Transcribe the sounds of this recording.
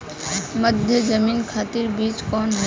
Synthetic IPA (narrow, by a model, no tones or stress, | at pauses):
məd̪ʱjəd͡ʒəmiːnkʰaːt̪iɾbiːt͡ʃkɔːnɦɛ